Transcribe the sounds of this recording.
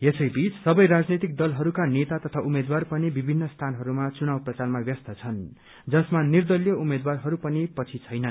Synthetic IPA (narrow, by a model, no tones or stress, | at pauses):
esʌjbit͡ssʌbʌjɾad͡znit̪ik̚d̪ʌlɦʌɾukanet̪at̪ʌt̪ʰaʔumed̪warpʌnibibʱinːʌst̪ʰanɦʌɾumat͡sunawprʌt͡sarmabjʌst̪ʌt͡sʰʌn | d͡zʌsmanird̪ʌljʌumed̪warɦʌɾupʌnipʌt͡sʰit͡sʰʌjnʌ